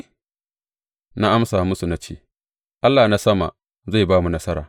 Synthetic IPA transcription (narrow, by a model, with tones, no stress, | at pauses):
na˦ʔa˦msaː˨mʊ˦su˨na˦t͡ʃḛ˦˨ | ʔa˦lːaː˨na˦sɐ˦ma̰˨ | za˦˨baː˦mu˨nɐ˦sɐ˦ɾaː˨